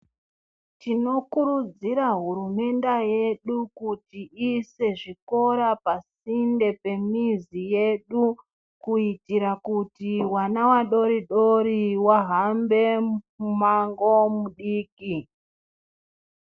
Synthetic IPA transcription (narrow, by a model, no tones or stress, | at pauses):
tino̞kuɾud͡ziɾaɦuɾume̞ndaje̞ɗukutiise̞ʐiko̞ɾapasinde̞pe̞mizije̞ɗu | kuitiɾakutiwanawaɗo̞ɾiɗo̞ɾiwaɦambe̞ | umaŋɡo̞muɗiːki